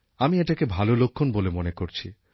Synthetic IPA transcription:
amieʈakebʱalolokʰːonbolemonekoɾt͡ɕʰi

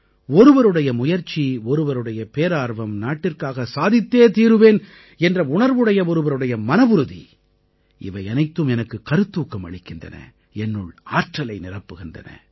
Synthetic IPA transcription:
ɔɾɯʋɐɾɯɽɐjɐmʊjɐɾt͡ʃːiɔɾɯʋɐɾɯɽɐjɐpeːɾaːɾʋɐmnaːʈːɪrkaːɣɐsaːðɪt̪ːeːt̪iːɾɯʋeːn | ɛndrɐʊɳɐɾʋɯɽɐjɐɔɾɯʋɐɾɯɽɐjɐmɐnɐbʊɾɯðḭ | ɪ̰ʋɐɪɐnɐɪt̪ːɯmɛnɐkːɯkɐɾɯt̪ːuːkːɐmɐ̰ɭɪkːɪndrɐ̰nɐ̰ | ɛnːɯɭa̰ːʈrɐlɐɪnɪrɐpːɯɣɪndɐ̰nɐ̰

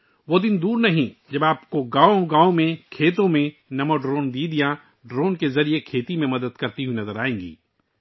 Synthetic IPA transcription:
ʋod̪ɪnd̪uːɾnɐɦĩd͡ʒɐbaːpkoɡaːõɡaːõmẽkʰeːt̪õmẽ | nɐmoɖɾoːnd̪iːd̪ijã | ɖɾoːnkezɐɾiekʰeːt̪imẽmɐd̪əd̪kɐɾt̪iɦuinɐzəɾaːẽːŋɡḭː

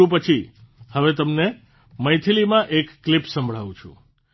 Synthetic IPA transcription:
ũpət͡ʃʰihəʋet̪əmne | məjt̪ʰilimãʔekːlipsə̃mbʱɭ̤aʋũt͡ʃʰṵ̃

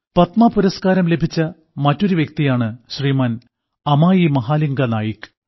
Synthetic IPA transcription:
pɐt̪mɐːpuɾɐskaːɾɐmle̞bʱit͡ɕːɐ | mɐtːo̞ɾuʋjek̚t̪ijaːɳɨɕriːmaːn | ɐmaːjimɐɦaːliŋɡɐnaːjikː

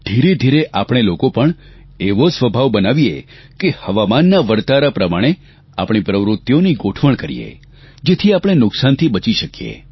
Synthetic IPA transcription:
d̪̥ʱiɾed̪ʱiɾeʔapɽ̃elokopəɳ | eʋosʋəbʱaʋbənaʋiḛ | kehəʋamanːaʋəɾt̪aɾapɾəmaɽ̃e | apɽ̃ipɾəʋɾʊt̪ːjoniɡoʈʰʋəɳ̃kəɾḭjḛ | d͡ʒet̪ʰiapɽ̃enʊksant̪ʰibət͡ʃiʃəkijḛ

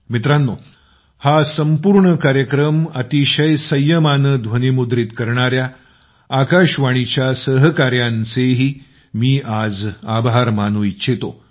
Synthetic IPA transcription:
mit̪ɾanːo | hasəmpuɾɳəkaɾjəkɾəmət̪iɕəjsəjːəmanəd̪ʱʋənimud̪ɾit̪kəɾɳaɾjaː | kaɕʋaɽ̃it͡ɕjasəɦəkaɾjant͡seɦiː | miːʔad͡zabʱaɾmanuitːɕʰet̪o

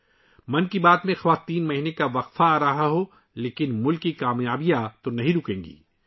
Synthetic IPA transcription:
mɐnkibaːt̪mẽxɐʋaːt̪iːnmɐɦinekaʋɐqfaːɾɐɦaɦo | leːkɪnmʊlkːikaːmjaːbijat̪onɐɦĩɾʊkẽːŋɡḭː

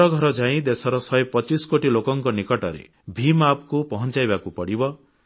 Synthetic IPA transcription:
ɔɡʱɔɾɔd͡ʒaĩd̪esɔɾɔsɔjepɔt͡ʃisɔ̥koʈilokɔŋkɔnikɔʈɔɾḛ | bʱimapkupɔɦɔnt͡ʃajbakupɔɽibɔ

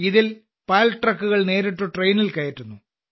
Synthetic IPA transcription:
iðil | paːlʈrɐkːuɣɐɭne̞ːɾeʈːoʈrejnilkɐjɐtːunːu

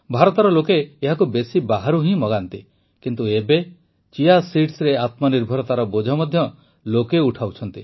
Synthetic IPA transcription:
bʱaɾɔt̪ɔɾɔlokeːɦakubesibaɦaɾuɦĩmɔɡant̪i | kint̪uebe | t͡ʃijasiʈsɾeat̪mɔniɾbʱɔɾɔt̪aɾɔbod͡ʒʱɔmɔd̪ʱjɔ | lokeuʈʰawt͡ʃʰɔnt̪i

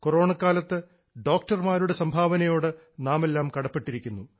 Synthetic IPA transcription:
koro̞ːɳɐkːaːlɐt̪ːɨ | ɖo̞ːk̚ʈɐrmaːɾuɽe̞sɐmbʱaːʋɐnɐjo̞ːɽɨ | naːme̞lːaːmkɐɽɐpːe̞ʈːiɾikʲːunːu

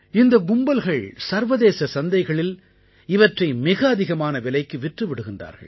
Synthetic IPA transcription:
ɪnd̪ɐɡʊmbɐlɣɐɭsɐɾʋɐðeːsɐsɐnd̪ɐɪɣɐɭɪl | ɪʋɐʈrɐɪmɪɣɐːðɪɣɐmaːnɐʋɪlɐɪkːɯʋɪʈrɯʋɪɽɯɣɪndra̰ːɾɣɐ̰ɭ

